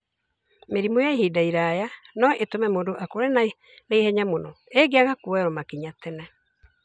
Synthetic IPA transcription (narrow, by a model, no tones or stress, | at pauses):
meɾimojaehidaiɾajanɔʔetomɛmodoʔakoɾe | naihɛɲamonɔeɡeaɣakuɛɾɔmakiɲatɛnɛ